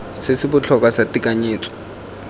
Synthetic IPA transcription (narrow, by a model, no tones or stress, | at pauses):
sɪsibʊt͡ɬʰɔk̬ʼasatʼikʼaɲeːt͡sʼɔ̥